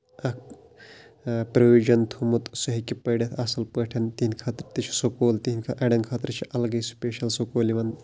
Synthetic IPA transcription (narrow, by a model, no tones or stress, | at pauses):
ɐk̚ʰ | pɾɐʋiːd͡ʒɐnt̪ʰumut̪sɐɦikipɐɖɐt̪ʰɐsɐlpəʈʰɐnt̪iinʲkʰɐt̪ɾt̪it͡ʃʰi̥sokoːlt̪iɦinʲkʰʔɐɖɐnkʰɐt̪ɾt͡ʃʰiʔɐlɡɐspeːʃɐlsokoːliʋɐn